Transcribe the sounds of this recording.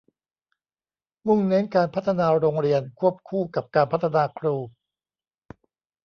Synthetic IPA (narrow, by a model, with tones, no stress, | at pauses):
mu˥˩ŋne˦˥nkaː˧npʰa˦˥t̪ʰːa˧naː˧ɾoː˧ŋɾi˧ənkʰu˥˩əp̚kʰuː˥˩ka˨˩p̚kaː˧npʰa˦˥t̪ʰːa˧naː˧kʰɾuː˧˩